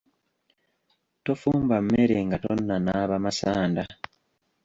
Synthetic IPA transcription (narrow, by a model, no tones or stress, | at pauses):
to̞fuːmbam̩meɾeŋɡato̞nːanaːβamasaːnda